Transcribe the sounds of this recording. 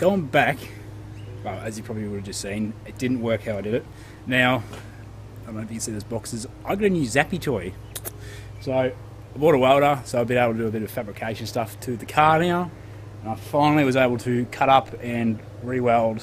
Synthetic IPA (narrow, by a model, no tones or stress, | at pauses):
ɡ̥oʊɪ̃ŋbæk | wɛlˠɨzjɨpʰɹ̥ɑbəbliwʊɾɨvd͡ʒʌstsĩnɨt̚d̥ɪdⁿn̩ʔwɜ˞khaʊaɪdɨɾɨt̚ | naʊ | əmãʊfisiðɪsb̥ɑksɨzʔaɪɡɨnjʉzæpitʰɔɪ | soʊ | aɪbɔɾəwɛlˠɾəsoʊaɪvbɨ̃neɪbl̩ˠtʰɨdɨːbɪɾʌv̥fæbɹɨkʰeɪʃɨ̃nstʌftʰɨðɨkʰɑɹnaʊ | ɨ̃naɪfãɪ̃nl̩ˠiwʌzeɪbl̩ˠtʰɨkʰʌɾʌpʰɨ̃n | ɹiwɛlˠd̥